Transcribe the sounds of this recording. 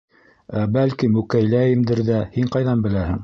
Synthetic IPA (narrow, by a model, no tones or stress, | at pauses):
æbælkimʉkæjlæjɘmd̪ɘɾðæhiɴqɑjðɑnbɘ̆læhɘ̰̆ŋ